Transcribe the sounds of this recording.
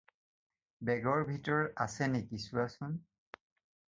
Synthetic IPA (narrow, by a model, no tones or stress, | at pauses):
bɛɡɔɹbʱitɔɹasɛnɛkisʊasʊn